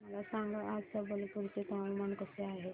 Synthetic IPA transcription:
məlasaŋɡəʔad͡zsəbəlpuɾt͡set̪aʋmənkəseaɦe

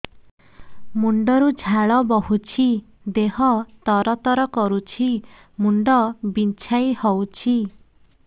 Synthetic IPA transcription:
muɳɖɔɾud͡ʒʱaɭɔbɔɦut͡ʃʰi | d̪eɦɔt̪ɔɾɔt̪ɔɾɔkɔɾut͡ʃʰi | muɳɖɔbint͡ʃʰajhɔwt͡ʃʰi

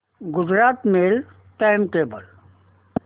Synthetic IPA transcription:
ɡʊd͡ʒɾaːt̪meːl | ʈajmkeːbəl

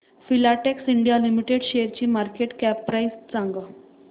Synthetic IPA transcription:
filaʈeksiɳɖijalimiʈeɽɕeɾt͡ɕiːmaɾkeʈkæpːɾaist͡sãŋɡa

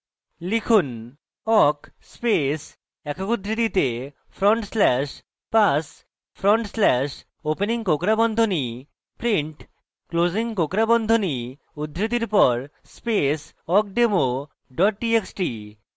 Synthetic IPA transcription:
likʰun | ɔkspes | ɛkʰokud̪ʱɾit̪it̪e | fʰɾɔɳʈslɛʃ | pas | fʰɾɔɳʈslɛʃ | openiŋkokɾabɔnd̪ʱoni | pɾiɳʈ | kloziŋkokɾabɔnd̪ʱoni | ud̪ʱːɾit̪̬iɾpɔɾ | spes | ɔk̚ɖemo | ɖɔʈ̚ʈieksʈi

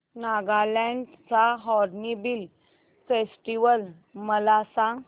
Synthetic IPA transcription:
naɡalɛ̃ɳɖt͡saɦɔɾnibil | fesʈiʋəl | məlasãŋɡ

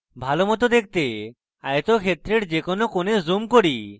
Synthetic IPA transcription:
bʱalomɔt̪̬od̪ek̚ʰt̪e | a̰jet̪okʰet̪ːɾeɾd͡ʑekonokonezumkoɾi

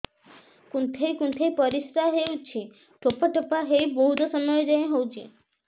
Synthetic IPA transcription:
kunt̪ʰejkunt̪ʰejpɔɾisɾaɦewt͡ʃʰi | ʈopɔʈɔpaɦejbɔɦut̪ɔsɔmɔjɔd͡ʒajẽɦowt͡ʃʰi

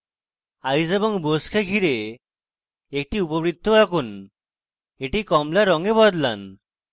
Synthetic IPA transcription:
ajd͡zebɔŋboskʰaɡʱiɾe | ek̚ʈiupɔbɾid̪ʱʰːoakun | eʈikɔmlaɾɔŋebɔd̪la̰n

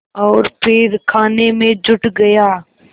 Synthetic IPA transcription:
ɔːɾpʰɪɾkʰaːnemẽd͡ʒʊʈɡɐjaː

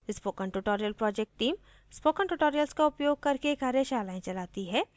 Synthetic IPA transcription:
ɪspoːkənʈuʈoːɾijəlpɾɔːd͡ʒɛk̚ʈːiːm | spoːkəɳʈuʈoːɾijəlskaʊpjoːɡ̚kɐɾkekɐɾeʃaːlaːẽt͡ʃɐlaːt̪iɦɛː

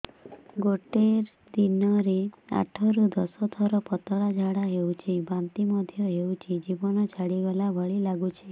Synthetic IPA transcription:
ɡoʈeɾ | d̪inɔɾia̰ʈʰɔɾud̪ɔsɔt̪ʰɔɾɔpɔt̪ɔɭad͡ʒʱaɽaɦeut͡ʃʰibamt̪imɔd̪ʱjɔɦewt͡ʃʰid͡ʒibɔnɔt͡ʃʰaɽiɡalabʱɔɭilaɡut͡ʃʰi

